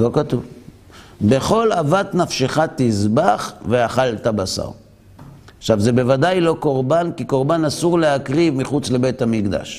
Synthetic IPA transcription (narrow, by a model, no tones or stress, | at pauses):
lo̞kat̪uv | be̞χo̞lavat̪nafʃeχat̪izbaχveaχaltabasa̰ʁ | χʃavzebe̞vadajlo̞ko̞ʁbankiko̞ʁbanasuʁleakʁivmiχut͡sle̞bethamikd̪a̰ʃ